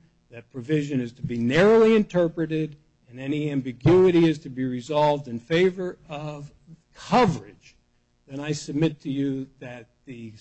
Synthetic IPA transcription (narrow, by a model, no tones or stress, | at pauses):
ðɨt̚pʰɹ̥ɨvɪʒɨ̃nɨz̥tʰɨbinɛɹoʊlˠiɨ̃ntʰɜ˞pɹɨɾɪɾ | ɨ̃nɛniæ̃mbɨɡjʉɨɾiɪztʰɨbiɹɨzɑlˠvdɨ̃nfeɪvə˞ʌv | kʰʌvə˞ɪd̥d͡ʒ | ðɨ̃ɾ̃aɪsɨb̚mɪtʰɨjɨðɨt̪̚ðɨ